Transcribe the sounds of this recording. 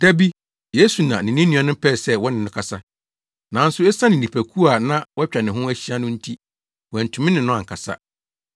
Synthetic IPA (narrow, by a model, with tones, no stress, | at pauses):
d̥æ˦bi˦ | je˦su˨nã˨nɪ̃˨nĩ˦nĩ˨˦ã˨nʊ̃˦pʰɛ˦˨sɛ˦wɔ˦nɪ̃˨nʊ̃˦kʰa˨sa˦ | nã˨˦n̩˦sʊ˦ɛ˦sã˦nɪ̃˨ĩ˨pʰæ˨kʰu˦a˨nã˦wɔ˦t͡ɕᶣa˨nɪ̃˨ɦʊ̃˦æ˦ɕi˦a˦nʊ̃˦n̩˦tʰi˦ | wɛ˨n̩˨tʰʊ̃˨mɪ̃˦nɪ̃˨nʊ̃˦ã˨ŋ˨kʰa˨sa̰˦